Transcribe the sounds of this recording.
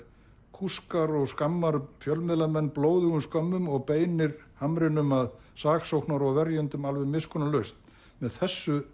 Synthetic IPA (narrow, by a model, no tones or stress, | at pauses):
kʰuskaɾɔɣskamːaɾfjœlmɪðlamɛnːploːwðʏɣʏmskœmːʏmɔɣpeːjnɪɾhamɾɪnʏmað | saːksowhknaɾɔɣvɛɾjʏnt̪ʏmalvʏðmɪskʰɔnalœɥst̪ | mɛðθɛsːʏ